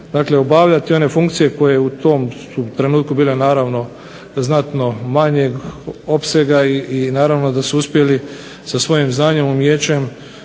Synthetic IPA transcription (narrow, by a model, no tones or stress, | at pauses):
d̪aːkle̞o̞baʋʎat̪io̞ne̞fuŋkt̪sije̞ko̞jeut̪o̞msut̪ɾe̞nuːt̪̚kubiːle̞naːɾaʋno̞ | znat̪no̞maɲeɡo̞pse̞ɡaiinaːɾaʋno̞d̪asuuspje̞li | sasʋo̞jimznaːɲe̞mumjeːt͡ɕem